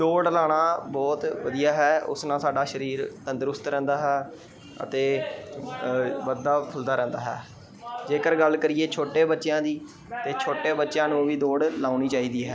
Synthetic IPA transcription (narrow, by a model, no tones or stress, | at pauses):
d̪oːɽlaːɽ̃aːbɔːt̪ʋəd̪ijaːɦɛːʊ̰snãːsaːɖaːʃəɾiːɾt̪ə̃nd̪ɾʊst̪ɾɛ̃ːnd̪aːɦɛː | ə̰t̪eː | ʋəd̪aːpʰʊld̪aːɾɛ̃ːnd̪aːɦɛ̰ː | d͡ʒeːkəɾɡəlkəɾɪjeːt͡ʃʰoːʈeːbətːʃjãːd̪iː | t̪eːt͡ʃʰoːʈeːbətːʃjãːnũːʋiːd̪oːɖlaːniːt͡ʃaːiːd̪iːɦɛ̰ː